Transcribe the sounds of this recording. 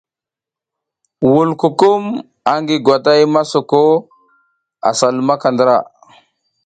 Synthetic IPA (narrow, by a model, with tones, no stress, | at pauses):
wu˨lku˨ku˦m | a˨ŋɡi˨ɡʷwa˨ta˦jma˦so˨ko˦ | a̰˨sa˨lma˦ka˨ndə˨˦ɾa˦˨